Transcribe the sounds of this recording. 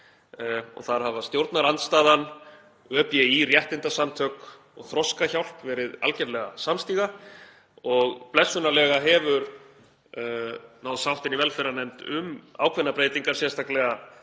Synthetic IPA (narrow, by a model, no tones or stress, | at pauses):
ɔ̰ɣθaɾ̥havast̪jowɾt̪naɾant̪st̪aːðan | œːpjɛirjɛht̪ɪnt̪asamt̪ʰœk | ɔɣθɾɔskaçawlpvɛːɾɪða̰lcɛɾlɛɣa̰samst̪iːɣa | ɔɣplɛsːʏnalɛɣaɦɛvʏɾ | nawðsawht̪ɪnivɛlfɛɾanɛmt̪ʏma̰ːwkʰvɛnːapɾeːjt̪iŋkaɾ̥sjɛst̪ʰaklɛɣa